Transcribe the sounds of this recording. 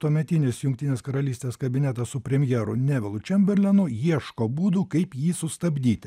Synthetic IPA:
t̪uɔmʲɛt̪ʲɪnʲɪsjʊŋk̚t̪ʲinʲeːskɐɾɐlʲiːsʲt̪ʲeːskɐbʲɪnʲæt̪ɐssʊpʲɾʲɛmʲjɛɾʊ̰nʲɛʋʲɪlˠʊt͡ʃʲɛmʲbʲɛɾʲlʲɛnʊjiɛʃkoːbuːd̪uːkɐɪpjiːsʊst̪ɐbʲd̪ʲiːt̪ʲɪ

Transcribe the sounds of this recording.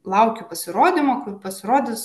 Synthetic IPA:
lˠɐʊkʲʊpɐsʲɪɾoːd̪ʲɪmɐkʊpɐsʲɪɾoːd̪ʲɪs

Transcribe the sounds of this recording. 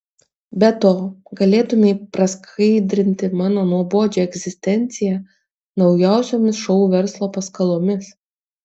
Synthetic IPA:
bʲɛt̪oːɡɐlʲeːt̪ʊmʲeɪpɾɐskʰɐɪd̪ʲɾʲɪnʲt̪ʲɪmɑːnoːnuɔboːd͡ʒʲoːɛɡʲzʲɪsʲt̪ʲɛnʲt̪sʲɪjæ | nɒʊjɛˑʊsʲoːmʲɪsʃɔʊuʋʲɛɾslˠoːpɐskɐlˠoːmʲɪs

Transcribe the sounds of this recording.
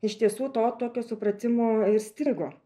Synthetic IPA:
ɪʃt̪ʲiɛsuːt̪oːt̪oːkʲoːsʊpɾɐt̪ʲɪmoːɪɾsʲt̪ʲɪɡoː

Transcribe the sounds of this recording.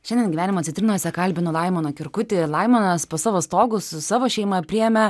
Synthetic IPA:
ʃʲɛndʲɛnɡʲiʋʲæːnʲɪmoːt̪sʲɪt̪ʲɾʲɪnoːsʲɛkɐlʲbʲɪnolˠɐɪmoːnoːkʲɪɾkʊt̪ʲɪlˠɐɪmonɐspoːsɑːʋoːst̪oːɡʊsʊsɑːʋoːʃʲɛɪmɐpʲɾʲɪjɛmʲɛ

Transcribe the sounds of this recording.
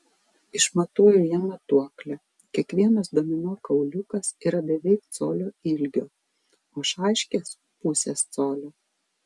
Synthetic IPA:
ɪʃmɐt̪uːjujiɛmɐt̪uɔklʲɛ | kʲiɛkʋʲiɛnɐsd̪oɔmʲɪnuːkɐʊlʲʊkɐsiːɾɐbʲɛʋʲɛɪk̚t̪soːlʲoːɪlʲɡʲoː | oːʃɑˑɪʃʲkʲeːs | pʊsʲeːst̪soːlʲoː

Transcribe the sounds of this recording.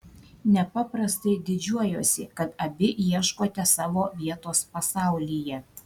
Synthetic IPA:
nʲɛpɑːpɾɐst̪ɐɪd̪ʲɪd͡ʒʲuɔjoːsʲɪkɐt̪ɐbʲɪʔjiɛʃkoːt̪ʲɛsɑːʋoːʋʲiɛt̪oːspɐsɑˑʊlʲiːjɛ

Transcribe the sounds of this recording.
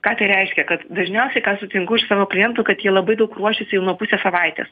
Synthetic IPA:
kɑːt̪ɐɪɾʲɛɪʃʲkʲɛkɐt̪d̪ɐʒʲnʲɛʊsʲɛɪkɑːsʊt̪ʲɪŋkɐʊɪʃsɑːʋoːklʲɪjɛnt̪ʊːkɐt̪jiɛlˠɐbɐɪd̪ɐʊkruɔʃʲɪsʲɪjɛʊnuɔpʊsʲɛsɐʋɑɪt̪ʲḛːs

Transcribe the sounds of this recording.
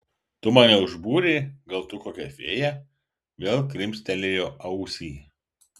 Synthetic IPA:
t̪ʊmɑːnʲɛʊʒbuːɾʲeːɡɐlˠt̪ʊkoːkʲɛfʲḛːjæ | ʋʲeːlˠkɾʲɪmʲsʲt̪ʲɛlʲejoːʔɐʊsʲiː

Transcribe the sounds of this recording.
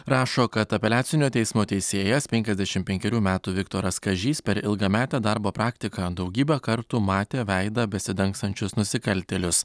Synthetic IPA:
ɾɑːʃoːkɐt̪ɐpʲɛlʲæːsʲɪnʲoːt̪ʲɛɪsmoːt̪ʲɛɪsʲeːjɛspʲɛŋʲkʲɛzʲd̪ʲæʃʲɪmpʲɛŋʲkʲɛɾʲuːmʲæːt̪uːʋʲɪkt̪oːɾɐskɐʒʲiːspʲɛɾɪlˠɡɐːmʲæːt̪ʲæːd̪ɐɾboːpɾɑːkt̪ʲɪkɑːd̪ɒʊɡʲiːbʲɛkɐɾt̪uːmɑːt̪ʲeːʋʲæɪd̪ɐbʲɛsʲɪd̪ʲɐŋkst̪ɐnʲt͡ʃʲʊsnʊsʲɪkɐlʲt̪ʲɛlʲʊs

